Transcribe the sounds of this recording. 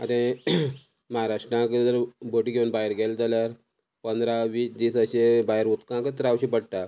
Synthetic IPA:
at̪ẽ | məɦaɾaʂʈɾãkət̪əɾbəʈiɡʱeunbaeɾɡʱɛld͡zaljaɾ | pənd̪ɾaʋiːsd̪iːsəɕebaɦjɾut̪kãkət̪əɾawɕipəɽʈa

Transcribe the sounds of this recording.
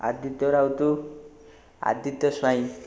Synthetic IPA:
a̰d̪it̪ːɔɾawt̪u | a̰d̪it̪ːɔswaĩ

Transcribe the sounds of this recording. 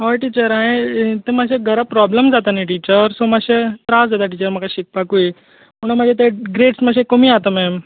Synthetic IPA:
ɦɔʈit͡ɕəɾãɦẽt̪emaɕeɡʱəɾapɾɔbləmd͡zat̪aniʈit͡ɕəɾsomaɕet̪ɾasd͡zat̪aʈ̬it͡ɕəɾm̤əkaɕik̚pakue | məɽ̃ũməd͡ʑʱet̪eɡɾeʈsməɕekomiːat̪əmɛm

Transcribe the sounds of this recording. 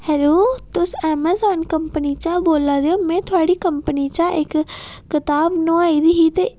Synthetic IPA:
hɛloːt̪ʊsɛːmazaːnkɐmpənit͡ʃãboːlad̪eomẽt̪ʰʊaːɽikɐmpnit͡ʃaʔɪkːɪt̪aːbnoaːid̪iɦit̪e

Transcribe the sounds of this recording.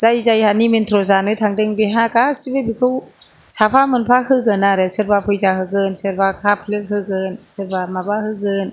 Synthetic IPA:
zajzajhaniment̪ʰɾozanɯtʰaŋdɯŋbeɦakasibebikʰɯw | sapʰamɯnpʰahɯkɯnaɾɛsɯɾbapʰɯjzahɯkɯnsɯɾbakʰap̚ʰlɯk̚hɯkɯnsɯɾbamabahɯkɯn

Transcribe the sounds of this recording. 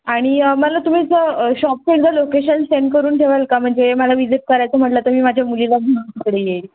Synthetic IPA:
aɽ̃iməlat̪um̤iːsəəɕɔp̚fild͡z̪alokeɕənsːeɳɖ̚kəɾuːnʈʰeʋalkam̤əɳd͡zeməlaʋid͡ziʈ̚kəɾajt͡səm̤əʈlat̪əmiːmad͡ʑʱjamulilabʱəɽat̪ikəɽejeli

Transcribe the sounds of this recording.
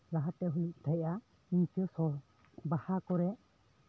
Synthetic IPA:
ɾaɦat̪ɛɦuluʔ̚t̪ʰajʔa | iɲtiɔsɔ | bahakɔɾɛʔ

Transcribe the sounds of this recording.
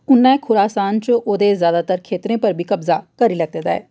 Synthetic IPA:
ʊnːɛ̃ːkʰʊɾaːsaːnt͡ʃoːd̪ezjaːd̪aːt̪əɾkʰeːt̪ɾẽːpəɾbʱiːkəbzakəɾiləɡ̚t̪eːd̪aɛ̰ː

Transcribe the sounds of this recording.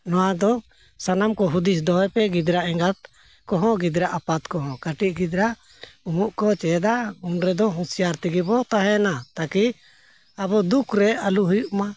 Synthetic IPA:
nɔwad̪ɔ | sanamkɔɦud̪is̬d̪ɔɦɛpɛɡid̪ɾaʔɛ̃ŋɡat̪̚ | kɔɦɔ̃ɡid̪ɾaʔapat̪kɔɦɔ̃kaʈiʔɡid̪ɾaʔ | umuʔkɔt͡ʃɛd̪aunɾɛd̪ɔɦũsijaɾt̪iɡibɔt̪aɦɛnat̪aki | abɔd̪ukʰɾɛaluɦujuʔma

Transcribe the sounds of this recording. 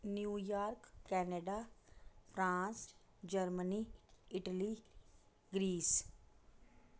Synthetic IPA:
njuːjaːɾkːɛːneɖaːpʰɾãːns | d͡ʒəɾməniːɪʈəliː | ɡɾiːs

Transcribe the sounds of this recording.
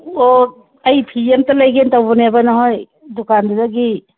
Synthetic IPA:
o | ɐjpʰiemtalajɡentawbɔnabanaɦoj | dukandudaɡi

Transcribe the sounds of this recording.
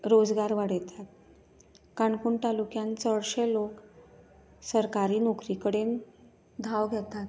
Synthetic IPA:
ɾod͡zɡaɾʋaɽjt̪ʰat̪̚ | kaɳkuːɳʈalukjãnt͡səɽɕelok | səɾkaɾiːnokɾikəɽen | d̪ʱaʋɡʱet̪at̪

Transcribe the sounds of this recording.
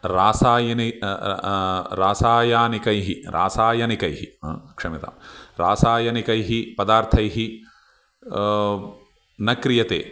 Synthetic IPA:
ɾaːsaːjɐni | ɾaːsaːjaːnikɐjɦiɾʔa̰ːsaːjɐnikɐjɦḭkʂɐmit̪a̰ːmɾaːsaːjɐnikɐjɦipɐd̪aːɾt̪ʰɐjɦi | nɐkɾijɐt̪ḛː

